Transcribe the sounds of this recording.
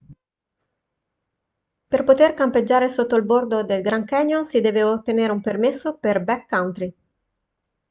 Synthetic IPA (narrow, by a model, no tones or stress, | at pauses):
perpot̪erkamped͡ʒːaːɾesot̪ːolbord̪od̪elɡɾaŋkɛɲonsid̪ɛːveot̪ːeneɾeumpermesːoperbɛkːawnt̪ɾi